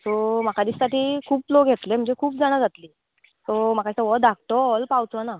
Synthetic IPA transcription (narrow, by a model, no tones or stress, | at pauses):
t̪om̤akad̪issaʈiːkʰuːplokɡʱet̪lem̤əɳd͡ʑekʰuːpd͡zaɽ̃ad͡zat̪liː | t̪ɔm̤akat̪əʋəd̪ak̚t̪ɔɔlpawt͡s̪ɔna